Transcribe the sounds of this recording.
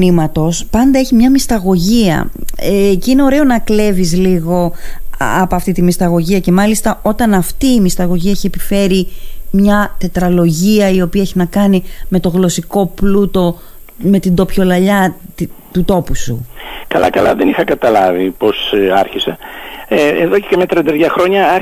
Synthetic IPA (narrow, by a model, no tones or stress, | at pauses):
nimɐt̪o̞spɐnd̪ɐeçimɲɐmist̪ɐɣo̞ʝiɐ̰eceine̞o̞ɾe̞o̞nɐkle̞vizliɣo̞ | ɐpoɐft̪it̪imist̪ɐɣo̞ʝiɐce̞mɐlist̪ɐo̞t̪ɐnɐft̪iːmist̪ɐɣo̞ʝiɐeçie̞pife̞ɾimɲɐt̪e̞t̪ɾɐlo̞ʝiɐio̞piɐeçinɐkɐnime̞t̪o̞ɣlo̞siko̞plut̪o̞ | me̞t̪ind̪o̞pço̞lɐʎɐt̪ut̪o̞pusukɐlɐ̰kɐlɐ̰ðenixɐkɐt̪ɐlɐvipo̞sɐɾçise | ḛðo̞cecemet̪ɾɐnd̪eðʝɐxɾo̞ɲɐɐ